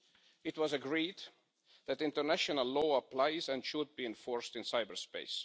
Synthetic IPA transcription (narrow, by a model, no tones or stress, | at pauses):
ɨtwʌzəɡɹiːd̪ | ðætɪ̃ntəɹnæʃənəlːɔəpʰl̥aɪzæ̃nʃʊd̚biɛ̃nfɔɹstɨ̃nsaɪbəɹspeɪs